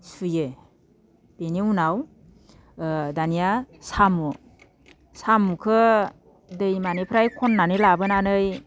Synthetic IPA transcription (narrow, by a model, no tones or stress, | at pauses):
suje | b̥eniunaw | danijasamu | samukʰɯ | dɯjmanepʰɾajkʰɔnːanɯlabɯnanɯj